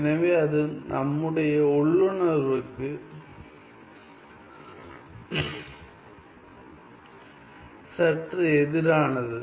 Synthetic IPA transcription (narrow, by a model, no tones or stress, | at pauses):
ɛnɐʋeːɐðɯnʔɐmːɯɽɐjɐɔɭːɯnɐɾʋɯkːɯ | sɐʈrɯɛðɪɾaːnɐðɯ